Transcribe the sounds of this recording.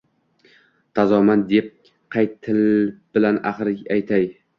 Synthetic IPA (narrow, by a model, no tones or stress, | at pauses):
t̪ʰazɒmand̪ep̚ | qʰɑjt̪ʰɪlb̥ɪlanaχɾɪajt̪ʰaj